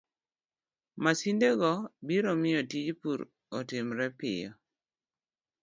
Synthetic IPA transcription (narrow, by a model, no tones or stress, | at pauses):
masindeɡɔbiɾomɪjɔtid͡ʒpuɾ | ɔtɪmɾɛpɪ̰jɔ̰